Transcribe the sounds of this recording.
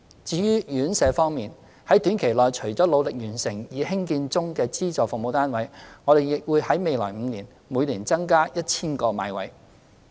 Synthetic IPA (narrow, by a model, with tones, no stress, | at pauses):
t͡siː˨˧jyː˥jyː˨˥nsɛː˨˧fɔː˥ŋmiː˨˩n | hɐ˨˥jt̪yː˨˥nkʰe˨˩jlɔː˨jt͡ʃʰɵ˨˩ɥt͡sɔː˨˥lo˨˧wlɪ˨k̚jyː˨˩nsɪ˨˩ŋjiː˨hɪ˥ŋkiː˧nt͡sʊ˥ŋkɛː˧t͡siː˥t͡sɔː˨fʊ˨mo˨˧wt̪aː˥nwɐ˨˧jŋɔː˨˧ɾe˨jɪ˨k̚wuː˨˧jhɐ˨˥jme˨˧jlɔ̰ː˨˩m̩˨˧niː˨˩n | muː˨˧jliː˨˩nt͡sɐ˥ŋkaː˥jɐ˥t̚t͡sʰiː˥nkɔː˧ma̰ː˨jwɐ̰˨˥j